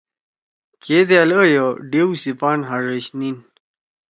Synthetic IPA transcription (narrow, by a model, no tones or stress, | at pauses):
ked̪ealəjoɖewsipaːnɦaʐəɕnin